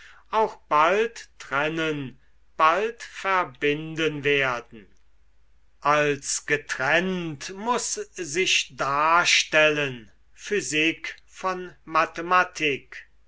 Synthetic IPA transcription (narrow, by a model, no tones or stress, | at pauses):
ʔaʊxb̥alttʁɛnən | b̥altfæɐbɪndənveːɐdn̩ | ʔalsɡ̥ətʁɛntmʊszɪʃdaːʃtɛlən | fyzɪk | fɔnmatematʰɪk